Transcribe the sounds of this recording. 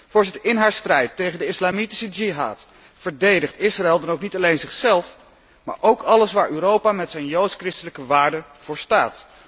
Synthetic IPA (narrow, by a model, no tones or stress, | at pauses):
vʊːɹzɪtəɹɪnɦaːɹstrɛjtːejχəndəɪslaːmiti̥səd͡ʒiɦa̰ːt | fəɹdejdəχtɪsraɛlˠdɑnowknitɑlejnzɪχsɛlˠf | ma̰ːɹʔowkɑləsʋaːɹyːɾowpaːmɛtsɛjnjowtskrɪstələkəʋaːɹdəv̥ʊːɹsta̰ːt